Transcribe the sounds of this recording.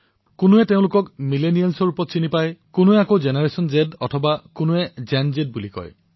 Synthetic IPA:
kunuɛteʊ̃lʊkɔkmilenijalsɔɹupɔt̚t͡ʃinipajkunuɛakod͡ʒenaɹesɔnd͡ʒedɔtʰɔbakunuɛd͡ʒɛnd͡ʒed̚bulikɔ̰j

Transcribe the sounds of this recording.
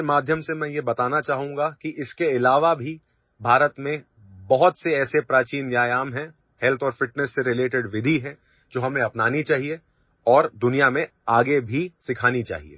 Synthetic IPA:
maːd̪ʱjəmsemɛ̃ːjebɐt̪aːnat͡ʃaːɦũːŋɡakiʔɪskeɪlaːʋabʱi | bʱaːɾət̪mẽ | bɐɦʊt̪seɛːsepɾaːt͡ʃiːnjaːjaːmɦɛ̃ | hɛlt̪ʰɔːɾfɪʈnəsːeɾɪleːʈɪɖʋɪd̪ʱiɦɛ̃ | d͡ʒoːɦɐmnẽɐpnaːnit͡ʃaːɦie | ɔːɾd̪ʊnijamẽ | aːɡebʱisɪkʰaːnit͡ʃa̰ːɦḭḛː

